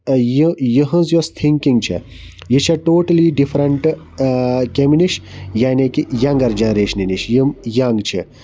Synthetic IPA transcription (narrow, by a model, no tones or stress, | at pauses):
jijəɦɐ̃zjost̪ʰiŋkiŋɡt͡ʃʰḛ | jit͡ʃʰɐʈoːʈɐliɖifʰɾɐɳʈ | keminiʃjaːnekijɐ̃ŋɡɐɾd͡ʒɐnɾeːʃniniʃjəmjaŋɡt͡ʃʰi